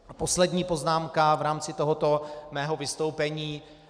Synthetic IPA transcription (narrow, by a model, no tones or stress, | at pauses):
po̞slɛdɲiːpo̞znaːmkavɾaːmt͡sɪt̪oɦo̞t̪o̞mɛːɦo̞vɪst̪o̞wpɛɲiː